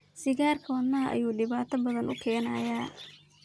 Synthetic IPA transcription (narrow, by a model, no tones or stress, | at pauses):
sɪɣaːrkʰɔːd̪nːɐʔɐ̰juːɗɪβaːt̪ʰɐbɐðɐnʔʊkʰɛːna̰ːjaː